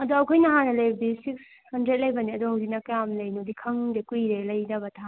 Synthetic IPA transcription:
ɐd̪oɐkʰojnɐɦanɐlɐjbɐdisiks | hɐndɾet̚lɐjbɐniɐd̪ohɐwzik̚nɐkɐjamlɐjnodikʰɐŋdekujɾelɐjnɐbɐtʰa

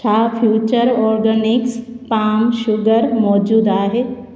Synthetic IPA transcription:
t͡ʃʰaːfʰjuːt͡ɕəɾɔːɾɡənɪkspaːmʃʊɡəɾmɔːd͡ʒuːd̪aːɦe

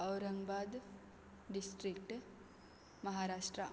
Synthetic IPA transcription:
ɐwɾɐ̃ŋɡbaːd̪ | ɖisʈɾikʈ | mɐɦaɾaːʃʈɾa

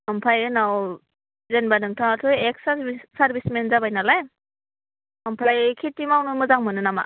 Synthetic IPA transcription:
ampʰajɯnaw | zenbanɯŋtʰaŋtʰɔjek̚sabisaɾbismenzabajnalaj | ampʰajkʰitːimawnɯmɯzaŋmɯnɯnama̰

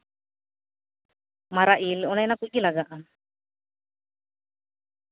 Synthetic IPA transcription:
maɾaʔilɔnɛjnakujɡilaɡaʔa

